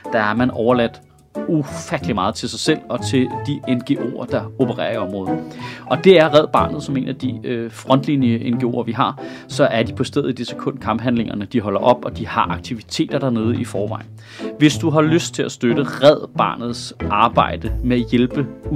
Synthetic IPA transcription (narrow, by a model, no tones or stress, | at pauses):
d̥ɑæɐmænʔɒʊɐlæd̥ | ufæd̥əlimɑ̈ːð̞̩ˠt͡sʰe̝sɑ̈ɪsel̰ɒ̽t͡sʰe̝ld̥ienɡ̥e̝ʔo̝̰ɐd̥ɑ̈o̝b̥əʁɛ̰ːɐiɒ̽mʁɔ̽ːð̩ˠɒ̽d̥e̝æɐʁɛð̞̰ˠb̥ɑ̰̈ːnð̞̩ˠsɒ̽me̝̰ːnæd̥iøfʁɒ̽n̰d̥linəʔenɡ̥e̝o̝̰ːɐʋiɦɑ̈ | sɒ̽ʔæɐd̥ipʰɒ̽sd̥eð̰ˠid̥ese̥kʰɔ̽n̰d̥kʰɑ̈mb̥ɦænle̝ŋɐnəd̥iɦɒ̽l̰ɐʔɒ̽b̥ɒ̽d̥ihɑ̈ʔɑ̈ɡ̥̚t͡sʰiʋit͡sʰe̝̰ːd̥ɐd̥ɑ̈ne̝ːð̞ˠəifɒːʋɑ̈ɪ̰ | ʋe̝sd̥uɦɑ̈løsd̥̚t͡sʰe̝læsd̥øɾ̥əʁɛð̞̰ˠb̥ɑ̰̈ːnð̞̩ˠsʔɑ̈ːb̥ɑ̈ɪ̰d̥əmeæjelb̥ə